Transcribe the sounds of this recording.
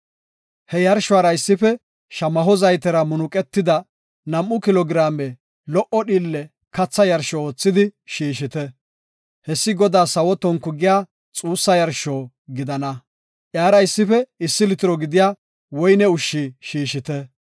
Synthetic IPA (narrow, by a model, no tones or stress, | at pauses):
hɛjɐɾʃʊaːɾɐɪsːɪfɛ | ʃɐmɐɦɔzɐjt̪ɛɾɐmʊnʊkʼɛt̪ːɪd̪ɐ | nɐmʔʊkɪlɔɡɪɾaːmɛ | lɔʔɔɗiːlːɛ | kɐt͡sːɐjɐɾʃɔoːt͡sːɪd̪ɪʃiːʃɪt̪ɛ | hɛsːɪɡɔd̪aːsɐwɔt̪ɔŋkːʊɡɪjaː | t͡sʼuːsːɐjɐɾʃoː | ɡɪd̪ɐnɐ | ʔjaːɾɐɪsːɪfɛɪsːɪlɪt̪ɪɾɔɡɪd̪ɪjaː | wɔjnɛʊʃːiʃiːʃɪt̪ɛ